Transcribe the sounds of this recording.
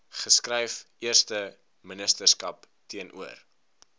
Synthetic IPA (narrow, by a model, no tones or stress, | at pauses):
χəskrɛjf | iərstə | mənəstərskɐp | tiənʔṵər